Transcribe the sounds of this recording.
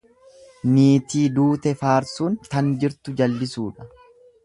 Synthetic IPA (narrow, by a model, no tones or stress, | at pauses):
niːt̪iːd̪uːt̪ɛfaːɾsuːnt̪ɐnd͡ʒɪɾt̪ʊd͡ʒɐlːɪsuːᶑɐ̥